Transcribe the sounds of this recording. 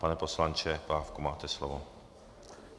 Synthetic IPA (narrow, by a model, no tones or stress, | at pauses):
panɛposlant͡ʃɛpɾaːfkumaːt̪ɛslɔvo